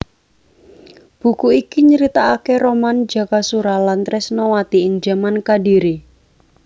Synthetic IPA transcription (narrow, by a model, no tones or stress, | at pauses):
b̥ukuikiɲəɾit̪aːkeɾomand͡ʒa̤kasuɾalant̪ɾɛsnowat̪iɪŋd͡ʒamankadiɾi